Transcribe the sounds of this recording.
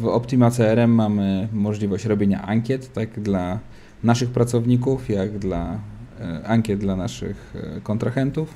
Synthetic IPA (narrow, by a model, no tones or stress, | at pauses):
vɔpt̪imat̪sɛɛɾɛmːamɘmɔʐlʲivɔɕt͡ɕɾɔbʲeɲa̰ʔaŋkʲjɛt̪ːaɡd̪la | naʂɘxpɾat̪sɔvɲikufjaɡd̪la | aŋkʲjɛd̪̚d̪lanaʂɘ̰xkɔnt̪ɾaxɛnt̪uf